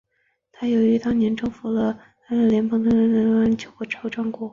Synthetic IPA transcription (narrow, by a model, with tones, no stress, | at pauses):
t̪ʰa˥jo˨˩ʊi˧˥t̪ɑ˥˩ŋnjɛ˧˥nʈ͡ʂɤ˥˩ŋfu˧˥lɤ˧˩ | t̪a˥na˥˩ljɛ˧˥nmɤ˧˥ŋd̪ə˧ɻə˧˥nlə˧˥na˥˩nt͡ɕjo˧˩ʊxɔ˥˩ʈ͡ʂʰɑ˧˥ʊʈ͡ʂwɑ˥˩ŋkwɔ˧˥